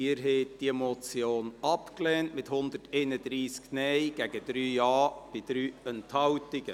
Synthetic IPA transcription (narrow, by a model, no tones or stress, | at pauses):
ɪːɾɦɛɪt̚d̥iɛmot͡sjoːnɑpklɛːntmɪthʊnd̪ərtʰɛɪnəd̪ɾiːsknɛjɡ̥æɡəd̥ɾyːjɑːb̥ɪd̥ɾyːɛnthɑwtɪɡ̥ə